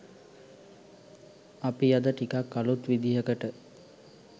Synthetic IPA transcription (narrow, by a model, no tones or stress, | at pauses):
apijad̪əʈikakːalut̪ʋid̪iɦəkəʈə